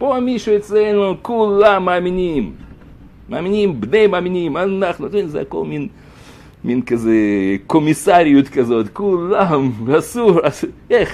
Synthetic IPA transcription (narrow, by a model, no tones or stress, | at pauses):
poamiʃuet͡slenukulamːaːminimː | aːminimbnejmaːminimanaχnut̪inzḛa̰ko̰lmin | minkazekomisaɾijut̪kazo̞t̪kulamvasuɾaseχ